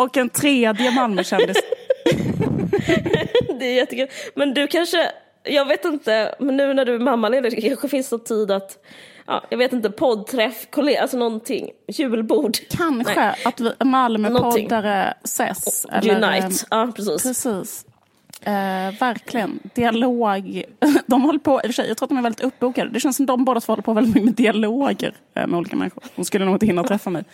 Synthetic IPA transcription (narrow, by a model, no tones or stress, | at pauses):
ɔkɛnt̪ʰɾeːd̪jəmalməʃɛnd̪ɪs | d̪ɛjɛt̪ːəkʰʉlmɛnd̪ɵkʰanʂə | jɑːɡveːt̪ɪnt̪əmɛnːʉ̟ːnæɖɵæmamːaleːd̪əɾkʰanɧəfɪnsnɔt̪ʰiːd̪at̪ʔɑ̰ːjɑ̰ɡveːt̪ɪnt̪̬əpʰɔd̪̚t̪ʰɾɛfkʰɔlealsɔnɔnt̪ʰɪ̰ŋːjʉ̟ːlbuːɖkʰanɧəat̪vɪmalməpʰɔd̪ːaɾəsɛ̰sɛ̰lːəɾnajɑːpʰɾɛsiːpʰɾɛsiːs | væɾkʰlɪɡənd̪̥ɪaloːɡd̪ɔmhɔlːəɾpʰɔʔɪfəʂɛjʔɑːɡt̪ʰːat̪d̪ɔmɛɾvɛldɪt̪ɵpːbuːkad̪əd̪ɛʃɛnsɔmd̪ɔmboːd̪əat̪fɔɾhɔlːɾpʰoɔvɛlɪt̪mʏkːəɛd̪ɪaloːɡə̰ɾ̰ | mɛ̰uːliːkamɛ̰nːɪɧʊɾd̥̪ɔmskɵlːənuːɡɔɪt̪hɪnːat̪ʰɾɛfːamɛj